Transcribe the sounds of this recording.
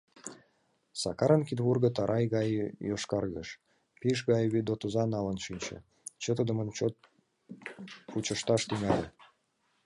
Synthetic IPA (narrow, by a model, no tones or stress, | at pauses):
sɑkɑɾənkid̪βurɣə̆t̪ɑɾʔɑjɣɑjjoʃkɑrɣə̰ʃ | piʃɣɑjβid̪ot̪ozɑnɑlə̆nʃinʲt͡ɕḛ | t͡ɕət̪əd̪əmənt͡ɕot̪̚ | put͡ɕə̆ʃt̪ɑʃt̪yŋɑlʲe